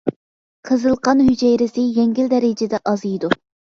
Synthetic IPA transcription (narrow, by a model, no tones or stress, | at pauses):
qʰəzɨlˠqɑnhyd͡ʒɛjɾɪsɪjɛŋɡʲɪld̪ɛɾɪd͡ʒɪd̪ɛʔɑzijd̪u